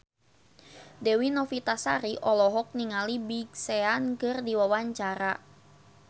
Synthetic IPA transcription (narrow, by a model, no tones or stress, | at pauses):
dɛwinɔfit̪asaɾiʔɔlɔɦɔk̚niŋalibiɡseankɨrdiwawaɲt͡ʃaɾa